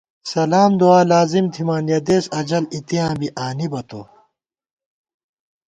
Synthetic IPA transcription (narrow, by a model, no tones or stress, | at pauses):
sɐlaːmd̪uaːlaːzimt̪ʰimaːnjɐd̪eːsɐd͡ʑɐlit̪ijãːbiʔaːnibɐt̪o̰ː